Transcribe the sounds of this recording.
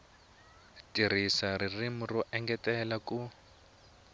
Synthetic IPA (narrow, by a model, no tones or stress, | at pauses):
tʼirisaririmʊrɔʔɛŋɡɛtʼɛlakʼu